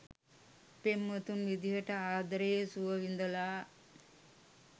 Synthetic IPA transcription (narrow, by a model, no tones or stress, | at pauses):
pemːɐt̪unʋid̪iɦɐʈɐaːd̪ɐɾejsuʋɐʋind̪ɐlaː